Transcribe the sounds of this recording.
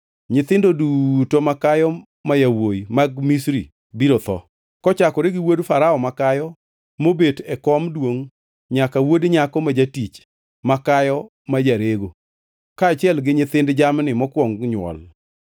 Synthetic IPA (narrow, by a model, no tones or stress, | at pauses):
ɲɪt̪ɪndodutomakajɔ | majawojmaɡ̚misɾi | biɾot̪ɔ̰ | kɔt͡ʃakɔɾeɡɪwodfaɾaɔmakajɔ | mobetɛkɔmdwoŋ | ɲakawodɲakɔmad͡ʒatit͡ʃ | makajɔ | majaɾeɡo | kaːt͡ʃɪɛlɡɪɲɪt̪ɪndd͡ʒamnɪmɔkwɔŋɡɲwɔ̰l